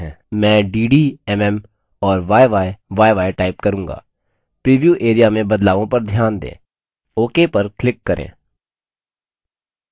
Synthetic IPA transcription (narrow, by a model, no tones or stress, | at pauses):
ɦɛ̃ː | mɛ̃ːɖiːɖiɛmɛm | ɔːɾʋaːeʋaːeʋaːeʋaːeʈaːɪpkɐɾũːŋɡa̰ː | pɾiːʋjuːʔeːɾijamẽbɐd̪laːʋõpɐɾd̪ʱjaːnd̪ḛ̃ː | oːkepɐɾklɪkːɐɾʔḛ̃ː